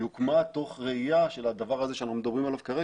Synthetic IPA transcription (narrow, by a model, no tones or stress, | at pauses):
ukmat̪o̞χʁeijaʃe̞lad̪avaʁazeʃeanaχnumed̪abʁimalavkaʁe